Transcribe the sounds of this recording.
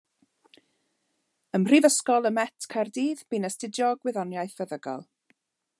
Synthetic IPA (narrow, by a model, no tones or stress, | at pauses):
əmr̥ivəskɔlˠəmɛtʰkʰardiːðb̥iːnəstɪdjɔɡwɪðɔnjajθəðəɡɔ̰lˠ